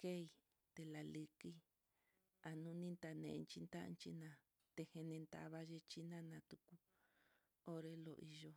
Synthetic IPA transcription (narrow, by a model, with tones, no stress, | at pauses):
ke˦i˧˨ | t̪e˧la˨li˧ki˦ | a˨nũ˦nĩ˦nt̪a˧nḛ̃˨˧nt͡ʃi˧nt̪a̰˦˧nt͡ʃḭ˦nã˧˨ | t̪e˧he˧nẽ˧nt̪a̰˧˨βa˦ʒe˧t͡ʃi˦nã˦nã˧t̪u˧ku˧ | o˦ɾe˧lo̰˨˧ʔi˧ʒo˧